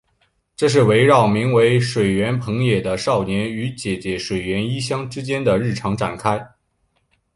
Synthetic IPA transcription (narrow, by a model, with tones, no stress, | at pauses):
ʈ͡ʂɤ˥˧ʂ̬ɻ̩˥˩we˧˥ɪɻɑ˥˩ʊmi˧˥ŋwe˧˥ɪʂwe˨˩ɪɥɛ˧˥npʰɤ˧˥ŋjɛ˨˩d̪ə˦ʂɑ˥˩ʊnjɛ˧˥ny˧˥t͡ɕjɛ˨˩t͡ɕjɛ˧˥ʂwe˨˩ɪɥɛ˧˥ni˥ɕjɑ˥ŋʈ͡ʂɻ̩˥t͡ɕjɛ˥nd̪ə˨ɻɻ̩˥˩ʈ͡ʂʰɑ˧˥ŋʈ͡ʂa˨˩nkʰa˥ɪ